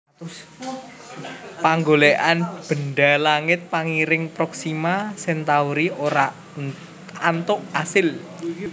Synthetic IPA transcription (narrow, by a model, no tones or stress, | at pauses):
paŋɡoleʔanb̥ə̤nɖalaŋɪt̪̚paŋiɾɪŋpɾɔksimasɛnt̪auɾiʔoɾa | ant̪ʊʔasɪl